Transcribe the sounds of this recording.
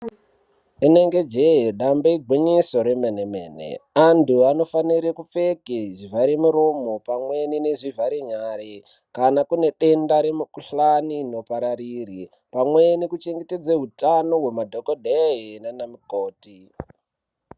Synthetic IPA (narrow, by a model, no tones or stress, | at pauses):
ine̞ŋɡe̞d͡ʒeɦeɗambeiɡʱwiɲiso̞ɾemeneme̞ːnḛantuano̞faniɾekup͡fe̞keʐivʱaɾemuɾo̞mo̞pamwe̞nineʐivaɾeɲaːɾe | kanakune̞ɗe̞ndaɾe̞mukuɬaniːno̞paɾariri | pamwenekut͡ʃe̞ŋɡeted͡zeɦutano̞ɦwe̞madʱo̞kodʱeɦinanamikoːti